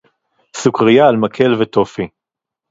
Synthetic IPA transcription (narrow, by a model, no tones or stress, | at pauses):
sukʁijaːlmakʰelvet̪ofi